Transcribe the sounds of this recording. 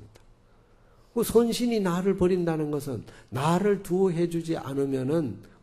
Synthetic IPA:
dḁ | kosʰonɕʰininaɾɯɭpʌɾindanɯnɡʌsʰɯnːaɾɯɭtuoɦe̞d͡ʑud͡ʑiʔa̰nɯmjʌnɯn

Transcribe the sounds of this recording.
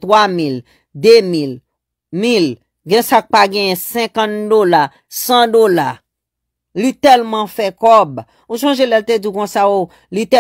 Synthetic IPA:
t̪wamil | d̪emil | mil | ɡɛ̃sak̚paɡɛ̃jɛ̃sɛ̃kãt̪̚d̪ola | sãd̪ola | lit̪ɛlmãfɛkɔb | uʃãʒelɛlt̪ed͡zukɔ̃sajo | lit̪ɛ

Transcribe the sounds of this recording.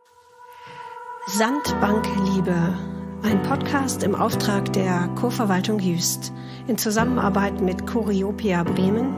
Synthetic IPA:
zantb̥aŋkliːbəʔaɪnpʰɔtkʰaːstɪmʔa̰ʊftʁ̥aːkd̥eːɐkʰoːɐfɛɐvaltʊŋjyːst | ʔɪnt͡suzamənʔa̰ɐbaɪtmɪtkʰoʁioːpʰiabʁɛːmən

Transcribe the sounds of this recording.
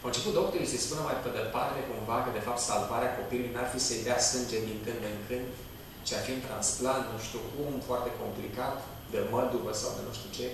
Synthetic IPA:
awɨnt͡ʃe̞put̪̚d̪ok̚t̪oɾisespunəmajped̪elpat̪t̪ekuɱvakəd̪e̞fap̚t̪salvaɾeako̞pilulujnarfisejd̪easɨnd͡ʒed̪iŋkɨnd̪d̪əŋkʰɨnd̪ | t͡ʃeafiunt̪ɾansplant̪nuʃt̪iukumfoart̪e̞ko̞mplikat̪ | d̪eməd̪uvəsa̰wd̪ḛnuʃt̪ut͡ʃe

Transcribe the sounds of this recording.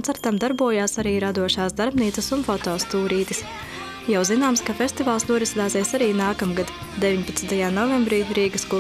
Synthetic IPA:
nt̪aɾt̪amd̪aɾbuɔjaːsaɾiːɾad̪uɔʃaːsd̪aɾbniːt̪sɐsunfɔt̪ɔːst̪uːɾiːt̪is | jawzinaːmskafʲesʲt̪ivaːlˠsnuɔɾisd̪aːzɛːsaɾiːnaːkamɡad̪ | d̪eviɲpat̪snt̪ajaːnɔvɛmbɾiːɾiːɡɐsku

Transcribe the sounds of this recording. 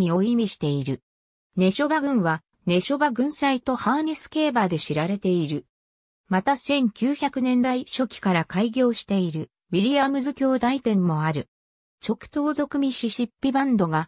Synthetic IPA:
mʲio̞imʲiɕi̥t̪e̞iɾɯ̟ | ne̞ɕo̞baɡɯ̟̃ɰ̃βa | ne̞ɕo̞baɡɯ̟̃ɰ̃sait̪o̞haːnesɨ̥ke̞ːbaːd̪e̞ɕiɾaɾe̞t̪e̞iɾɯ̟ | mat̪asẽ̞ŋkʲɨːçakɯ̟nẽ̞nd̪aiɕo̞kʲi̥kaɾakaiɡʲo̞ːɕi̥t̪e̞iɾɯ̟ | bʲiɾʲijamɯ̟zɨkʲo̞ːd̪ait̪ẽ̞mːo̞aɾɯ̟ | t͡ɕo̞kɯ̟̥t̪o̞ːzo̞kɯ̟mʲiɕiɕipʲːibãnd̪o̞ɡa

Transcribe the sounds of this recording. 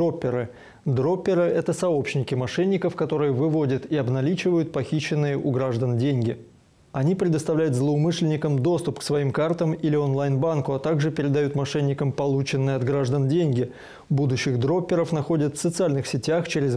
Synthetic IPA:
opʲːɪɾɨ | d̪ɾo̞pʲːɪɾɨʔɛt̪əsɐo̞pɕnʲɪkʲɪmɐʂɛnʲːɪkəfkɐt̪o̞ɾɨjəvɨvo̞dʲət̪iɐbnɐlʲit͡ɕɪvəjʊt̪̚pɐxʲiɕːɪnːɨjəʔʊɡɾaʐd̪əndʲenʲɡʲɪ | ɐnʲipɾʲɪd̪əst̪ɐvlʲæjʊt̪zlˠəʊmɨʂlʲɪnʲɪkəmd̪o̞st̪ʊpksvɐimkart̪əmilʲɪonlˠajnbankʊɐt̪aɡʐɨpʲɪɾʲɪd̪ɐjut̪mɐʂɛnʲːɪkəmpɐlˠut͡ɕɪnːɨjəɐd̪ɡɾaʐd̪əndʲenʲɡʲɪ | bud̪ʊɕːɪxd̪ɾo̞pʲːɪɾəfnɐxo̞dʲət̪fsət̪sɨalʲnɨxsʲɪtʲaxt͡ɕeɾʲɪz

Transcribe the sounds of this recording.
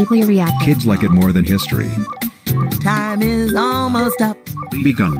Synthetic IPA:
nkliɹiækʰɪdzlaɪkɨt̚mɔɹðɨ̃nhɪstɹ̥ḭ | tʰãɪ̃mɪzɔlˠmoʊstʌp̚biɡʌ̃n

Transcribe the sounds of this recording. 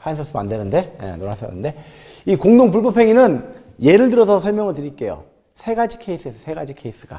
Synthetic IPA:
hʰainsʰʌs͈ʰɯmandenɯnde̞ḛnoɾas͈ʰʌ̰nːɯnde̞ | ikoŋdoŋpuɭbʌpʰe̞ŋinɯn | je̞ɾɯɭdɯɾʌsʰʌsʰʌɭmʲjʌŋɯɭtɯɾik͈e̞jo̰ | sʰe̞ɡad͡ʑi̥kʰe̞is͈ʰɯesʰʌsʰe̞ɡad͡ʑikʰe̞is͈ɯɡa̰

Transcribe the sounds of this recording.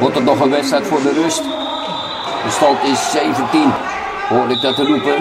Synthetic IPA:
ʋɔrtətnɔχənʋɛsɛtfʊːrdərøst | dəstɑltɪsːeːvəntin | hoːrlək̚dɔtərupə

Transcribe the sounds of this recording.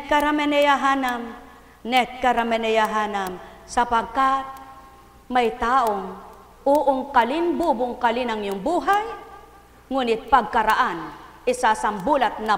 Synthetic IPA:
kaɾamɛnɛjaɦanam | nɛkaɾamɛnɛjaɦanam | sɐpaɡ̚kat̪̚ | majt̪aːʔoŋ | ʔuʔʊŋkalɪnbubʊŋkalɪnaŋjʊŋbuːɦaj | ŋuːnɪt̪̚paɡ̚kaɾaʔanʔɪsasɐmbuːlat̪̚na

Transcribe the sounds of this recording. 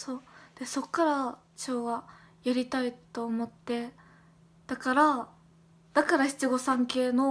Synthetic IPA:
so̞ːd̪̥e̞so̞kːaɾa | t͡ɕo̞ːɡa | jaɾʲit̪ait̪o̞ːmo̞t̪ːe̞ | d̪̥akaɾa | d̪̥akaɾaçi̥t͡sɨɡo̞sãŋke̞ːno̞

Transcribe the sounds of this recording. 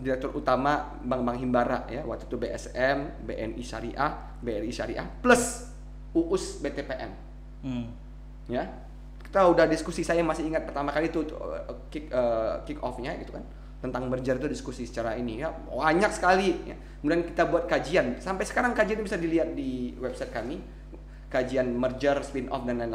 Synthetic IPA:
diɾɛk̚t̪ʊrʔut̪ama | baŋbaŋɦimbaɾa̰ʔjawa̰k̚t̪u̥t̪ubeʔɛ̰sɛmbeʔɛnʔiʃa̰ɾiʔa | beɛniʃa̰ɾḭʔa̰pləs | uʔʊsbet̪epeʔɛ̰n | ja | ki̥t̪audahdiskusisajamasɪiŋat̪̚pərt̪amakalit̪ṵkikəkikɔ̰fɲaɡit̪ukan | t̪ənt̪aŋmərd͡ʒərit̪udiskusisə̥t͡ʃaɾainija | aɲak̚sə̥kalija̰ | kəmudiankit̪abuat̪̚kad͡ʒiansampajsə̥kaɾaŋkad͡ʒianɲbisadiliat̪̚diwɛb̚sajt̪̚kami | kad͡ʒianmərd͡ʒərspinʔɔ̰fdanːana

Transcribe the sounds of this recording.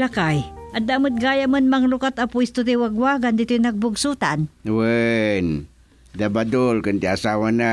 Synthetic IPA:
lakajʔad̪amɨt̪̚ɡajamənmaŋlukat̪apuist̪ʊt̪iwaɡwaɡand̪it̪ujnaɡ̚bʊɡsut̪anwən | d̪abad̪ulkənt̪iasawana

